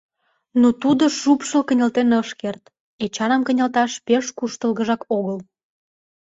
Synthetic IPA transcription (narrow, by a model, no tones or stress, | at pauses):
not̪ud̪oʃupʃəkənʲɑlt̪enəʃkert̪ | et͡ɕɑnɑmkənʲɑlt̪ɑʃpeʃkuʃt̪əlɣəʒɑkoɣəl